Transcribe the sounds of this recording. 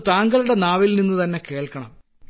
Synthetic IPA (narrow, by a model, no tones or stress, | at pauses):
t̪aːŋɡɐluɽenaːʋilninːut̪ɐnːe̞ke̞ːɭkɐɳɐ̰m